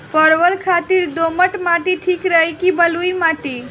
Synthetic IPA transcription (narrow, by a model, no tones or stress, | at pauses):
pəɾʋəlkʰat̪iɾd̪oməʈmaʈiʈʰikɾəɦikibəlujmaʈi